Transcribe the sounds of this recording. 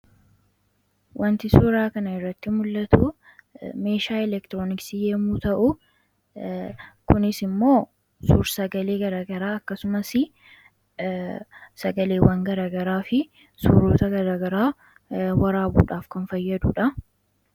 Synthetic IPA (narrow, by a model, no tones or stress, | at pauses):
wʔɐnt̪ɪsuːɾaːkɐnɐɪrːɐt̪ːɪmʊlːɐt̪uː | me̞ːʃaːɛlɛkt̪ɪɾoːnɪksijeːmuːt̪ɐʔʊ | kʊnɪsɪmːo̞ː | suːɾsɐɡɐle̞ːɡɐɾaːɡɐɾaːɐkːɐsʊmɐsɪ | sɐɡɐleːwɐŋɡɐɾaːɡɐɾaːfɪ | suːɾoːt̪ɐɡɐɾaːɡɐɾaː | wɐɾaːbṵːᶑaːfkɐnfɐjːɐd̪uːᶑɐ